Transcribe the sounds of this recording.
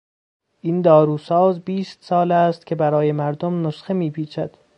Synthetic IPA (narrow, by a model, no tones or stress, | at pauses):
ʔind̪ɒːɾuːsɒːzbiːst̪sɒːlæːst̪cʰe̞bæɾɒːjemæɾd̪omnosxemiːpʰiːt͡ʃʰæd̪̥